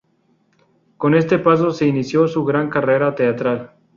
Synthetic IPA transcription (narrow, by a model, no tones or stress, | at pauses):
ko̞ne̞st̪e̞pas̬ose̞inisjo̞suɣɾaŋkare̞ɾat̪e̞at̪ɾal